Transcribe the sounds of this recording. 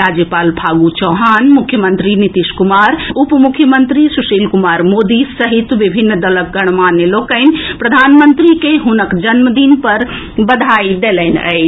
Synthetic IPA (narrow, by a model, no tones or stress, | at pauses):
ɾaːd͡ʒjəpaːlpʰaːɡut͡ʃɔːɦaːnmukʰːjəmənt̪ɾinit̪iʃkumaːɾupmukʰjəmənt̪ɾisuʃiːlkumaːɾmod̪isəɦit̪ʋibʱinːd̪ələkɡəɽ̃maːnːeloːkəɪnpɾəd̪ʱaːnmənt̪ɾikeɦʊnəkd͡ʒənməd̪inpɐɾ | bəd̪ʱaːid̪elɛɪnə̰ɪ